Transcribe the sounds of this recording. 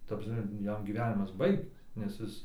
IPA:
tɐ prɐsʲˈmʲɛ ˈjɛm ɡʲiːˈʋʲæːnʲɪmɐs ˈbɐɪktɐs nʲɛs ˈɪs

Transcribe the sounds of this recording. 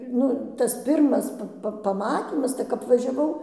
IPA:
ˈnʊ tɐs ˈpʲɪrmɐs ˈpɐ pɐˈmɑːtʲiːmɐs tɐɪ kɐp ʋɐʒʲɛˈʋɐʊ

